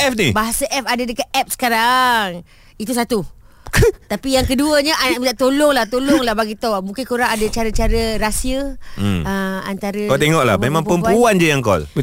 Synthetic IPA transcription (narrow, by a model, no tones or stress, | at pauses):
ɛfnibaɦasəʔɛfadadəkat̪̚ɛp̚sə̥kaɾaŋ | it̪̬usat̪u | t̪apijaŋkəduəɲəʔanaʔmədaʔt̪olʊŋlaht̪olʊŋlahbaɡit̪omũŋkɪnkuɾaŋadət͡ʃaɾət͡ʃaɾəɾasiə | əma̰nt̪aɾəɔt̪eŋɔʔla̰memãŋpəmpuand͡ʒəjaŋkɔ̰l